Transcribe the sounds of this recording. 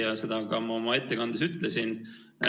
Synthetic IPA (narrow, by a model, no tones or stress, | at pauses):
ɑse̞d̪̥ɑkɑmɑo̞mɑe̞t̪ːe̞kɑnd̪̥esyt̪ˑlesin